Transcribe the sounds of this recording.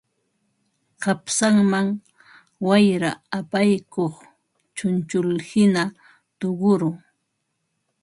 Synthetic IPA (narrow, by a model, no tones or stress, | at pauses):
qɑpsaŋmaŋ | wajɾaapajkoχ | t͡ʃʊnt͡ʃʊlhɪna | t̪oɢʊɾʊ